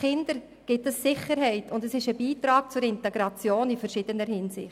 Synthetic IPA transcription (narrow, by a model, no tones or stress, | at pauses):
χɪnd̥əɾ | ɡ̥ɪtəsːɪχəɾɦɛɪtʰʊndəsɪʃəbiːtɾɑːɡ̥̚t͡sʊɾɪntɛɡɾɑt͡sjoːnifəɾʃɪd̥ənəɾhɪnsɪ̰χt